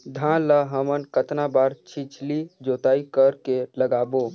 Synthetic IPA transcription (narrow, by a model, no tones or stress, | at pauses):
d̪ʱãləɦəmənkət̪nabaɾt͡ʃʰit͡ʃʰlid͡ʒot̪aːikəɾkeləɡaːbo